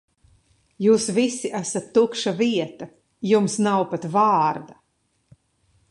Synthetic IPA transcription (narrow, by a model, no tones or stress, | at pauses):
juːsvisiʔæsat̪ːukʃaviɛt̪ɐ | jumsnawpat̪vaːɾd̪a